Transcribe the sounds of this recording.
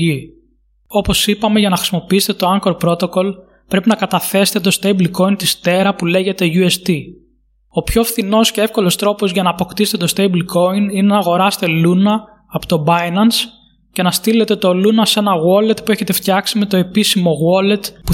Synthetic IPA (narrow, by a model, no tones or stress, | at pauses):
i | o̞po̞sipɐme̞ʝɐnɐxɾisimo̞piise̥t̪et̪o̞ɐŋkoɾpɾo̞t̪o̞ko̞l | pɾe̞pinɐkɐt̪ɐθe̞se̥t̪e̞t̪o̞st̪ejbliko̞int̪ist̪e̞ɾɐpule̞ʝe̞t̪e̞ʝuest̪i | o̞pço̞fθino̞sce̞e̞fko̞lo̞st̪ɾo̞po̞zʝɐnɐːpo̞kt̪ise̥t̪e̞t̪o̞st̪eblko̞ininenɐːɣo̞ɾɐst̪e̞lunɐː | pot̪o̞bɐjnɐns | ce̞nɐst̪ile̞t̪e̞t̪o̞lunɐse̞nɐɣwo̞le̞t̪pue̞çe̞t̪e̞ft̪çɐksime̞t̪o̞e̞pisimo̞ɣole̞t̪pu